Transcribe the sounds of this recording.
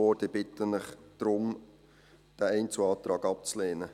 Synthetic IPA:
oːɾdib̥ɪtənnɪχd̪̥ɾʊm | d̥æɛɪnt͡suɑːt̪ɾɑːɡɑp̚t͡sleːnə

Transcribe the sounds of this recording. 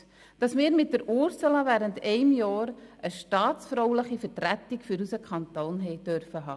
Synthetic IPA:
d̥ɑsmɪːɾmɪt̚d̥əɾuɾsələvæːɾəntɛɪmjɑːɾəʃtɑːtsfɾoʊləχifəɾtɾætikfyɾusəkʰχɑntoːnɦɛɪd̥œɾfəɦɑ̰ː

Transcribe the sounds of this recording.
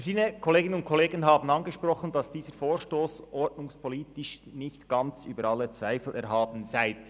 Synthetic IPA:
fɛʃiːdənəkʰɔleːɡɪnənʊnt̚kʰɔleːɡən̩ɦɑːbn̩ɑnɡəʃpɾɔχən̩d̥ɑsd̥iːzəɾfoːɹʃtoːsʔɔɹtnʊŋspʰɔliːtɪʃnɪçtɡ̥ɑnt͡syːbəɾɑlːət͡sv̥aɪfl̩ʔɛɾɦɑːbən̩zaɪ

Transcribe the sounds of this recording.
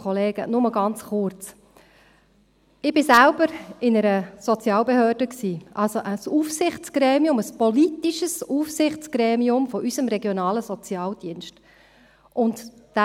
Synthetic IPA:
ɔleːɡ̥ə̰nʊməɡɑnt͡sχʊɾt͡s | ɪb̥ɪsælb̥əɾɪnəɾəsɔt͡sjɑːlbehøːrd̥əksiːʔɑlsoʔəsufsɪχt͡sɡ̥ɾɛːmiʊməspɔlit̪iʃəsufsɪχt͡sɡ̥ɾɛːmiʊmfɔʔysəmɾɛɡjonɑːləsɔt͡sjɑːld̥iənʃt | ʔʊntd̥æ

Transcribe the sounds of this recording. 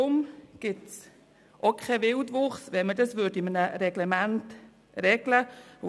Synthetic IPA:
ʊmɡ̥ɪts | ʔokʰɛʋɪldʋʊχsʋɛnmədɑsʋʏdɪmənəɾɛɡ̥lɛmænt | ɾɛɡ̥lə

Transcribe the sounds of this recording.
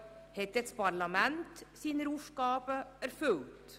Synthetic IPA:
hɛt̪ːɛt̪spɑɾlɑmɛnt̪siːnəɾuːʂkɑːpəæɾfʉlt̪

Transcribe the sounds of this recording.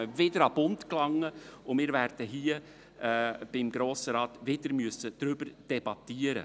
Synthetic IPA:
əvɪdəɾɑb̥ʊntklɑŋːəʊmɪːɾværd̥əɦiːə | b̥ɪmɡɾoːsəɾɑːt̪ʋɪdəɾmyəsəd̥ɾʏbəɾd̥ɛb̥ɑt̪iːəɾə̰

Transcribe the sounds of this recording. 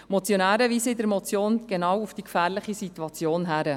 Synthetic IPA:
mɔt͡sjonæːɾəʋiːsəɪdəɾmɔt͡sjoːnɡ̥enɑwufd̥ikfæːɾlɪχisit̪uɑt͡sjoːnɦæɾə

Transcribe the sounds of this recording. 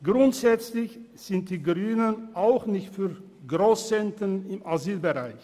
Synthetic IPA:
ɡ̥ʁʊntz̥ɛt͡slɪç | z̥ɪnt̚d̥iːɡʁyːnənʔaʊxnɪçtfyːɐ | ɡʁoːst͡sɛntənɪmaziːlbəʁaɪç

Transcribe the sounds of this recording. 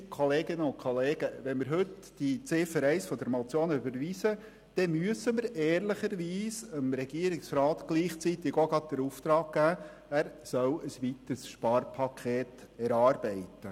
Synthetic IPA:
kʰoleːɡɪnəʊntkʰχoleːɡ̥əʋɛnmɪɾɦɵt | d̥it͡seːfəɾɛɪsfɔd̪əɾmot͡sjoːnybəɾʋiːsə | d̥ɛmyəsəməɾɛːɾlɪχəɾʋiːsəmɾɛɡiəɾɪksɾɑːt̪ɡ̥liːχt͡sit̪ɪɡoɡɑd̥əɾuft̪ɾɑːɡ̚ɡ̥æː | æɾsœwəsʋit̪əsʃpɑːrpʰɑkʰeːtɛɾɑːɾbɛɪt̪ə

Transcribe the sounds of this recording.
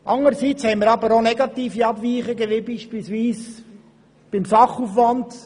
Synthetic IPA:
ʔɑŋəɾsit͡shɛɪməɾɑbəɾonɛɡɑt̪iːfiɑbʋiːχəɡɛʋɪbiːʃpiːlsʋiːs | b̥ɪmsɑχufʋɑnd

